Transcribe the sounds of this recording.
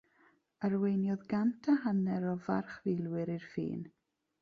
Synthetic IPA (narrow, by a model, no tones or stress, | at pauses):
ərwejnjɔðɡantʰəɦanɛɾɔvarχvɪlˠwɪɾirfḭːn